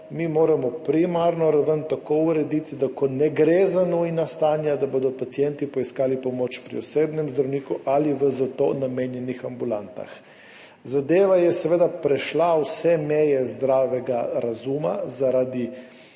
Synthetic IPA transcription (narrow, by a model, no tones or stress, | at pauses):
mimoːɾamɔpɾimaɾnɔɾaʋənt̪akoːuɾɛd̪it̪id̪akɔnɛɡɾezanuinast̪aːnjad̪abod̪ɔpat̪sijɛnt̪ipɔiskaːlipɔmot͡ʃpɾḭɔseːd̪nɛmzd̪ɾawniːkuʔaliʋəzat̪o̰nameːnjɛnixambulant̪a̰x | zad̪eːʋajɛsɛʋeːd̪apɾɛʃlawsɛmɛjɛzd̪ɾaːʋɛɡaɾazuma̰zaɾad̪i